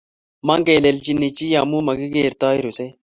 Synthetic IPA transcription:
mɐ˦ŋɡe˨le˨lt͡ʃi˨nːi˨t͡ʃi˦ja˨mu˦mɐ˨ɡi˦ɡeː˨ɾt̪aː˦i˦ɾu˨se˦

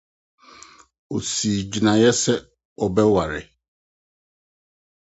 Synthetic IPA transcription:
o˨si˨d͡ʑi˨nã˨jɛ˦sɛ˦ | ɔ˨bɛ˦wa˨ɾɪ̰˨

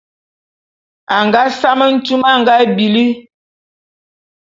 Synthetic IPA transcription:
a˨ŋɡa˦sa˦mə˦n̩˦tu˦ma˦˨ŋɡa˦bi˨li˦

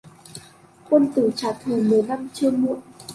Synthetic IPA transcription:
kə˧nt̪ɨ˧˩t͡ɕaː˨˩t̪ʰɨ˨˩mɨ˨˩əjla˧mt͡ɕɨ˧əmṵ˧˨əʔ

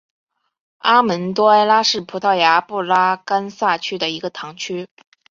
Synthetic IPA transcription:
a˥mə˧˥nt̪wɔ˥a˥ɪla˥ʂɻ̩˥˩pʰu˧˥t̪ʰɑ˥˩ʊja˧˥pu˥˩la˥ka˥nsa˥˩t͡ɕʰy˥d̪ə˨i˧˥ɡə˧t̪ʰɑ˧˥ŋt͡ɕʰy˥

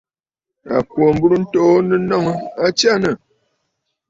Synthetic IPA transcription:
a̰˨pwo˨m̩˦bu˦ɾu˦n̩˦tɔ˦˨˦nə˦nɔ˦˨ŋ˨a˦t͡ʃja˦nə˨

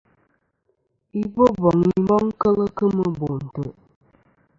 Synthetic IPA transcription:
i˦bo˦bɔ˨ŋi˦mɔ˦ŋ˦kə˦lə˦kə˦mə˦bo˨n̩˨tə˨

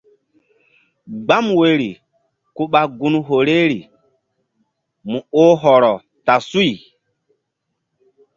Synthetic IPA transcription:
ɡ͡ba˦mwe˦ɾi˨ | ku˦ɓa˦ɡu˦nɦo˨ɾe˦ɾi˨ | mu˨o˦ɦɔ˨ɾɔ˨ | ta˨su˦i˨

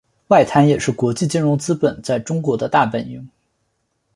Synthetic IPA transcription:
wa˥˩ɪt̪ʰa˧˥njɛ˨˩ʂɻ̩˥˩kwɔ˧˥t͡ɕi˥˩t͡ɕi˥nɻʊ˧˥ŋt͡sɹ̩˥pə˨˩nt͡sa˥˩ɪʈ͡ʂʊ˥ŋkwɔ˧˥d̪ə˧t̪a˥˩pə˨˩ni˧˥ŋ

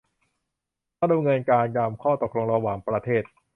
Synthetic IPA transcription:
aː˥˩do˧ŋɤ˧nkaː˧nja˧mkʰɔː˥˩t̪o˨˩k̚lo˧ŋɾa˧waː˨˩ŋpɾa˧t̪ʰeː˥˩t̪̚

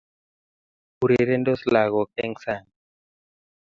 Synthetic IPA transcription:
u˨ɾe˨ɾe˦nd̪o˦sla˨ɣɔ˨kɛ˦ŋsa˦˨ŋ

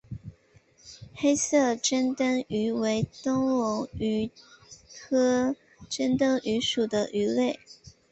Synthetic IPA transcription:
xe˥ɪsɤ˥˩ʈ͡ʂə˥nt̪ə˥ŋy˧˥we˧˥ɪt̪ɤ˥ŋwʊ˧˥ŋy˧˥ | kʰɤ˥ | ʈ͡ʂə˥nt̪ɤ˥ŋʔy˧˥ʂu˨˩d̪ə˦ʔy˧˥le˥˩ɪ

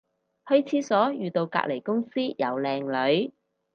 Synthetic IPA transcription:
hɵ˥ɥt͡sʰiː˨˥sɔː˨˥jyː˨t̪o˧wka̰ː˧k̚le˨˩jkʊ˥ŋsiː˥jɐ˨˩wlɛː˧ŋlɵ˨˧˥ɥ

